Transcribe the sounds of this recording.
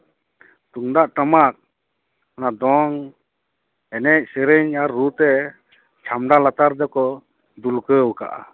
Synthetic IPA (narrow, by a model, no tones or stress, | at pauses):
t̪uŋd̪aʔʈamak̚ | anad̪ɔŋ | ɛnɛʔ̚seɾɛɲaɾːut̪ɛ | t͡ʃʰamɖalat̪aɾd̪ɛkɔ | d̪ulkəwuka̰ʔa̰